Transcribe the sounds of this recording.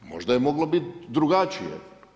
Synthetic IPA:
mo̞̰ʒd̪ajemo̞ɡlobit̪d̪ɾuɡat͡ʃijḛ

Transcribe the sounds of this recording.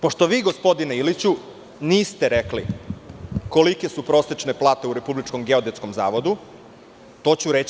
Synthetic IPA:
poʃt̪o̞ʋiːɡo̞spo̞d̪ineilit͡ɕu | niːst̪eɾekli | ko̞like̞supɾo̞set͡ʃneplˠaːt̪e̞uɾe̞publit͡ʃko̞mɡeo̞d̪esko̞mza̰ːʋo̞d̪u | t̪o̞ːt͡ɕuɾet͡ɕ

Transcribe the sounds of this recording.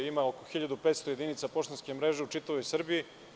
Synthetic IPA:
imaokoxiʎad̪upeːt̪st̪oje̞d̪init̪sapoʃt̪onskʲemɾe̞ʒeut͡ʃit̪aʋo̞jsr̩biji

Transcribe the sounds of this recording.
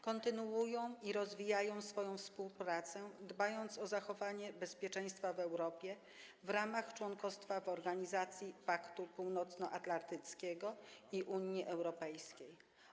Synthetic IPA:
kɔnt̪ɘnuujɔ̃w̃iɾɔzvʲijajɔ̃w̃sfɔjɔ̃w̃fspuwpɾat̪sɛd̪bajɔnt̪sɔzaxɔvaɲɛbɛspʲjɛt͡ʂɛj̃st̪favɛwɾɔpʲjɛ | vɾamaxt͡ʂwɔŋkɔst̪favɔɾɡaɲizat̪sʲjipakt̪upuwnɔt̪snɔʔat̪lant̪ɘt̪skʲɛɡɔiʔuɲjiʔɛwɾɔpɛjskʲej

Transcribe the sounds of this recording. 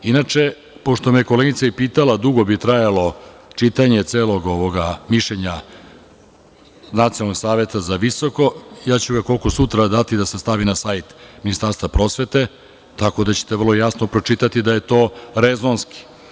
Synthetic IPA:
inat͡ʃe̞ | po̞ʂt̪o̞mijekoleɡit̪saipiːt̪alad̪uɡo̞bit̪ɾajalˠo̞t͡ʃit̪aɲe̞t̪seːlo̞ɡo̞ʋoɡamiʃʎeɲa | nat̪ionalno̞ɡsaːʋe̞t̪azaʋiso̞ko̞jaːt͡ɕuɡako̞lko̞sut̪ɾad̪at̪id̪asest̪aʋinasajt̪minist̪aɾst̪vapɾo̞sʋe̞t̪e̞ | t̪ako̞d̪at͡ɕe̥t̪evərlˠo̞jasnopɾo̞t͡ʂit̪at̪id̪aje̞t̪o̞ːɾezonski̥

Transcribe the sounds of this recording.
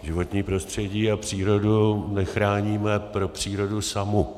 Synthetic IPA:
ʒɪvo̞t̪ɲiːpɾo̞st̪r̝̥ɛɟiːapr̝̥iːɾo̞dunɛxɾaːɲiːmɛpɾo̞pr̝̥iːɾo̞dusamu

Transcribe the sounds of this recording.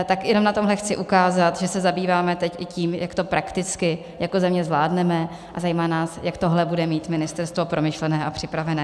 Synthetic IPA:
t̪akjɛnomnat̪o̞mɦlɛxt͡sɪʔukaːzat̪ʒɛsɛzabiːvaːmɛt̪ɛcʔɪciːmjakt̪o̞pɾakt̪ɪt͡skɪ | jako̞zɛmɲɛzvlaːdnɛmɛ | ʔazajiːmaːnaːsjakt̪oɦlɛbudɛmiːt̪mɪnɪst̪ɛɾst̪vo̞pɾʔo̞mɪʃlɛnɛːʔapr̝̥ɪpɾavɛnɛː

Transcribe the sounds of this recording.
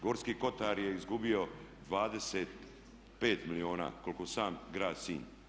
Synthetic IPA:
ɡo̞ːɾskiːko̞t̪aɾje̞izɡubio̞d̪ʋaːd̪eseːt̪ | pe̞ːt̪milio̞ːna̰ːko̞lkosaːmɡɾaːd̪sḭːn

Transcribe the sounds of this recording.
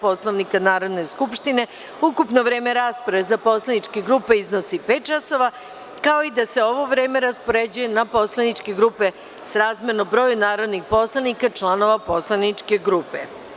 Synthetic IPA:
po̞slˠoʋnikanaːɾo̞d̪ne̞skupʃt̪ine̞ | ukupno̞ʋɾe̞ːme̞ɾaːspɾaʋezapo̞slˠanit͡ʃkeɡɾuːpe̞iznosipeːt̪̚t͡ʃaso̞ʋa | kaoid̪ase̞o̞ʋo̞ʋɾeːme̞ɾaspo̞ɾed͡ʑuje̞napo̞slˠanit͡ʃkeɡɾupe̞ | sɾaːzmʲeɾnobɾo̞ːjunaːɾo̞d̪nixpo̞slˠanikat͡ʃlˠano̞ʋapo̞slˠanit͡ʃke̞ɡɾuːpe

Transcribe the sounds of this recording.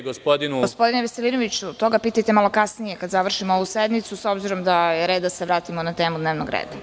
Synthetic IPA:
ɡospod̪inuɡospo̞d̪ineʋeseliːnoʋit͡ɕut̪o̞ɡapiːt̪ajt̪emalˠo̞kasnijekad̪zaʋr̩ʃimooʋused̪nit̪suso̞bziɾo̞md̪aɾe̞d̪aseʋɾaːt̪imonat̪e̞ːmud̪neʋnoɡɾḛːd̪a

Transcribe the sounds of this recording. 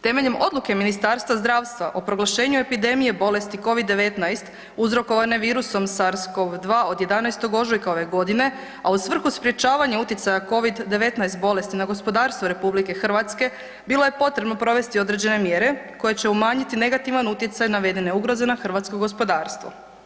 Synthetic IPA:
t̪e̞me̞ʎe̞mʔo̞d̪lˠuke̞minist̪aɾst̪ʋazd̪ɾaːʋst̪ʋaʔo̞pɾo̞ɡlˠaʃe̞ːɲue̞pid̪e̞mije̞bo̞le̞st̪iko̞ʋid̪ːe̞ʋe̞t̪najst̪ | uzɾo̞ko̞ʋane̞ʋiːɾuso̞msaɾsko̞ʋd̪ʋaːo̞d̪je̞d̪anajst̪o̞ɡo̞ʒojkao̞ʋe̞ɡo̞d̪ine̞ | ausʋr̩xuspɾje̞t͡ʃaːʋaɲeut̪jit̪sajako̞ʋid̪ːe̞ʋe̞t̪najst̪̚bo̞le̞st̪inaɡo̞spod̪aːɾst̪ʋoɾe̞publike̞xr̩ʋat̪ske̞ | bilˠo̞je̞po̞t̪ɾebno̞pɾo̞ʋe̞st̪io̞d̪ɾe̞d͡ʑe̞ne̞mje̞ɾe̞ko̞je̞t͡ɕe̞umaːɲit̪ine̞ɡat̪iʋanut̪jet̪sajnaʋe̞d̪ene̞uɡɾo̞ze̞naxr̩ʋat̪skoɡo̞spo̞d̪aːɾst̪ʋo̰

